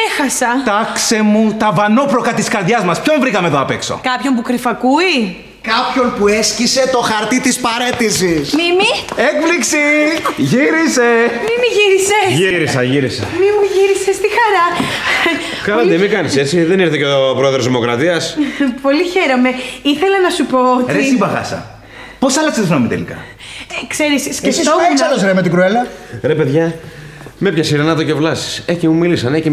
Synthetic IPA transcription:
exɐsɐt̪ɐkse̞mut̪ɐvɐno̞pɾo̞kɐt̪iskɐɾðʝɐzmɐspço̞mvɾikɐmeðoɐpekso̞̰kɐpço̞mp̬ukɾifɐkui | kɐpço̞npuescise̞t̪o̞xɐɾt̪it̪ispɐɾet̪isismimiekpliksiʝiɾise̞mimiʝiɾiseʝiɾisɐʝiɾisɐ̰mimuʝiɾisest̪ixɐɾɐ | kɐlɐt̪emikɐnise̞t͡siðe̞niɾθeceopɾoeðɾozðimo̞kɾɐt̪iɐspo̞liçe̞ɾome̞iθe̞lɐnɐsupo̞otɾesibɐxɐ̰sɐ̰ | posɐlɐkset̪ofɾɐmet̪elḭkɐ̰ | ekseɾisiscesisosɐlosɾemet̪iɡɾuelɐɾepe̞ðʝɐ | mepçɐsiɾenɐt̪ocevlɐsi̥seçimumilisɐneci

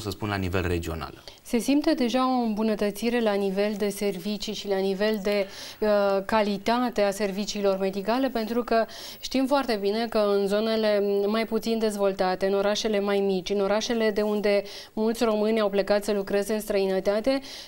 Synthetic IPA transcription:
səspunla̰nivḛlred͡ʒio̞̰na̰l | se̞simt̪əd̪e̞ʒao̞ɨmbunət̪ət̪siɾe̞lanive̞ld̪e̞se̞rvit͡ʃiʃilanive̞ld̪e̞ | kalit̪at̪e̞ase̞rvit͡ʃiːlo̞rme̞d̪ikale̞pe̞nt̪ɾukə | ʃt̪imfoart̪e̞bine̞kəɨnzo̞ne̞le̞majput̪sind̪e̞zvo̞lt̪at̪e̞ɨno̞ɾaʃe̞le̞majmit͡ʃʲɨno̞ɾaʃe̞le̞d̪e̞und̪e̞ | mult̪sʲro̞mɨnʲawplekat̪səlukɾe̞zeɨnst̪ɾəinət̪at̪e̞

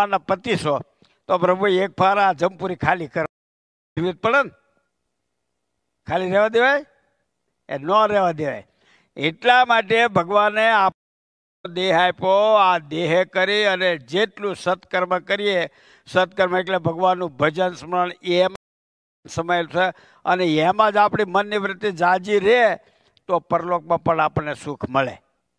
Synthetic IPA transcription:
anːapət̪iʃo | t̪opɾəbʱuiek̚pʰaɾad͡ʒəmpuɾikʰalikəɾ | iʋit̪̚pəɽən | kʰaliɾɛʋad̪eʋaj | ḛnəɾɛʋad̪eʋa̰j | eʈlamaʈebʱəɡʋaneap | d̪eɦajpoad̪eɦekəɾiəned͡ʒeʈlũsət̪kəɾməkəɾie | sət̪̚kəɾməeʈlebʱəɡʋanːũbʱəd͡ʒənsəməɳema | səməjlsʰe | əneemãd͡ʒapɳ̃imənːiʋɾɪt̪ːid͡ʒad͡ʒiɾe | t̪opəɾlok̚mãpəɳapəɳnesukʰməɭḛ

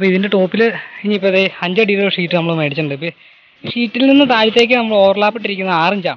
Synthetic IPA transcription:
ɐpːoːiðinde̞ʈo̞ːpːilɨiɲːipːoðeɐɲd͡ʑɐɖiɾɐʂiːʈːɨnɐmːɐɭɨmeːʈit͡ɕːuɳɖɨpi | ʂiːʈːilninːɨt̪aːɻit̪ːe̞ːk̬ʲːɨnɐmːɐɭo̞ːrɐɭaːpːeʈːiɾikʲːunːɐaːriɲd͡ʑaː

